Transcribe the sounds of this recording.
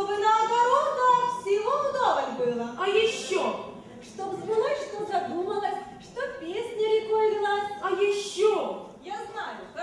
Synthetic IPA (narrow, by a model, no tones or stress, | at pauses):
obɨnɐːbɐɾot̪d̪asʲɪlomʊd̪ovənʲbɨlˠəɐjɪɕːo | ʂt̪obzbʲɨlˠəsʲʂt̪obzɐd̪uməlˠəsʲʂt̪opʲesʲnʲɐɾʲɪkojd̪ʲɪlˠasʲɐjɪɕːojaznajʊ